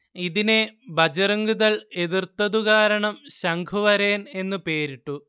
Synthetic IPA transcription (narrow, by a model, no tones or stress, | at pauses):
iðine̞bʱɐd͡ʑɐrɐŋɡuðɐɭe̞ðirt̪ːɐðuɣaːɾɐɳɐmɕɐŋɡʰʱuʋɐɾeːne̞nːupe̞ːɾiʈːu